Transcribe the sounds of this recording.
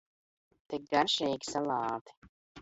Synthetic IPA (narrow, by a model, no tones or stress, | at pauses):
t̪ik̚ɡaɾʃɛːɡʲi̥salˠɑːt̪i̥